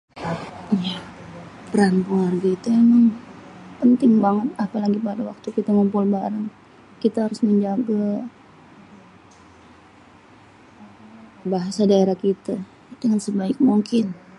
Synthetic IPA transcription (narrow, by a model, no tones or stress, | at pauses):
ijapəɾanpuanɡit̪ajaŋaŋpənt̪ɪŋbaŋət̪̚apalaɡipadawak̚t̪ukit̪amumpʊlbaɾaŋ | kit̪aɦaɾʊsməɲd͡ʒaɡa | baɦasadaeɾahkit̪a | it̪əŋansəbaɪk̚muŋkɪn